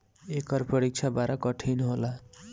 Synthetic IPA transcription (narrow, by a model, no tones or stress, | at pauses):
ekʌrpʌɾik̚t͡sʰabaɾʌkʌʈʰijnuɦola